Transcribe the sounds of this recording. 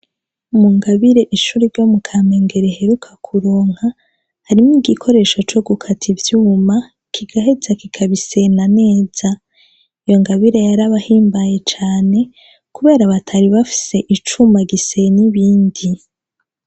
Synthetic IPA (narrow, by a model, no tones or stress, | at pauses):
muŋɡaβiɾe̞ʔiʃuːɾiɾɟo̞mukʰaːme̞ŋɡe̞ɾe̞he̞ɾukʰakʰuɾoːŋ̥ha | haɾimiɡikʰo̞ɾe̞ːʃot͡ʃo̞ɡukʰatʰivjuuma | kʰiɡ̥ahe̞zakikʰaβise̞nane̞ːz̥a | ijo̞ŋɡaβiɾe̞jaɾaβahiːmbaje̞t͡ʃaːne̞ | kuβe̞ːɾaβatʰaɾiβafi̥se̞ʔit͡ʃumaɡiseniβiːndi